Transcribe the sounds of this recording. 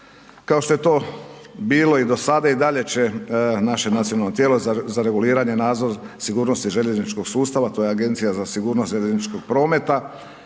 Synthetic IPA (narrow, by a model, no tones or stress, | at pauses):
kaoʃt̪o̞je̞t̪o̞ːbiːlo̞id̪o̞sad̪aid̪aʎe̞t͡ɕenaʃe̞nat̪sionalnot̪jelozaɾe̞ɡuliːɾaɲe̞naːd̪zo̞ɾsiɡuːɾno̞st̪iʒe̞ʎe̞znit͡ʃko̞ɡ̥suːst̪aʋat̪o̞jeaɡe̞nt̪sijazasiɡuːɾnost̪ʒeʎeznit͡ʃko̞ɡ̥̚pɾo̞ːme̞t̪a